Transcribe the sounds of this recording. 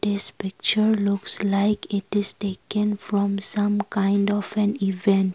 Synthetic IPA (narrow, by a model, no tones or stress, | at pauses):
d̪̥ɪspɪk̚t͡ʃəɹlʊkslaɪkɪtɪstekə̃nfɹɔ̃msãmkãɪ̃ndɔvɛ̃nivɛ̃nt